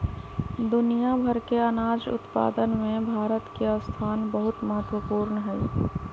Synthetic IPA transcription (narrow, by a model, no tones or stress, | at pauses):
d̪ʊnijabʱəɾkeənaːd͡ʒʊ̰t̪pa̰ːd̪ənmẽbʱaːɾət̪keəst̪ʰaːnbəɦʊt̪məɦət̪wəpuːɾnɦɛː